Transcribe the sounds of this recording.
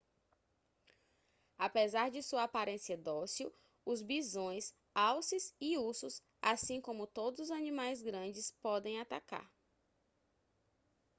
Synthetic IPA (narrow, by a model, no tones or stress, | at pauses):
apezaɾd͡ʒɪsuɐapaɾẽsiɐd̪ɔsiu | ʊzbizõj̃s | awsiziusʊs | asĩkõmʊt̪od̪ʊzʊzɐnĩmajzɡɾɐ̃d͡ʒɪspɔd̪ẽj̃at̪aka̰ɾ